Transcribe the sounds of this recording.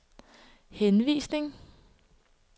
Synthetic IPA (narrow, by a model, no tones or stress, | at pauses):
henʋḭːsne̝ŋ